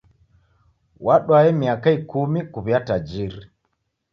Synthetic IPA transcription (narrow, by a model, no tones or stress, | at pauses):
waɗwaɛmiakaikumikuβiatad͡ʒiɾi